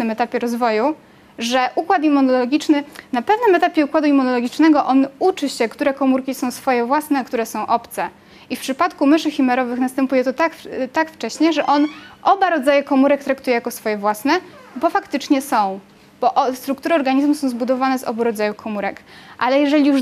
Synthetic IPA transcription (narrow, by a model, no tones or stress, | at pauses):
nɘmɛt̪apʲjɛɾɔzvɔju | ʐɛʔukwat̪̬imːunɔlɔɡʲit͡ʂnɘnapɛvnɘmɛt̪apʲjɛukwad̪uimːunɔlɔɡʲit͡ʂnɛɡɔʔɔnut͡ʂɘɕɛkt̪uɾɛkɔmuɾkʲisɔ̃w̃sfɔjɛvwasnɛkt̪uɾɛsɔ̃w̃ʔɔpt̪sɛ | ifpʂɘpat̪kumɘʂɘxʲimɛɾɔvɘxnast̪ɛmpujɛt̪ɔt̪akt̪akft͡ʂɛɕɲɛʐɛʔɔnʔɔbaɾɔd̪zajɛkɔmuɾɛk̚t̪ɾakt̪ujɛjakɔsfɔjɛvwasnɛbɔfakt̪ɘt͡ʂɲɛsɔ̃w̃ | b̥ɔʔst̪ɾukt̪uɾɨɔɾɡaɲizmusɔ̃w̃zbud̪ɔvanɛzɔ̰buɾɔd̪zajukʰɔmuɾɛkʔalɛjɛʐɛlʲiju